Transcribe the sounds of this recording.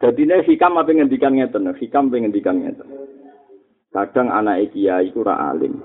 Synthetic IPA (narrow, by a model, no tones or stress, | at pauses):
d̪̥a̤d̪i̤nesikamapeŋənd̪ikanŋet̪ənəsikamapeŋənd̪ikanŋḛt̪ən | kad̥a̤ŋa̰naʔekijaik̪uɾa̰ʔa̰lɪ̰m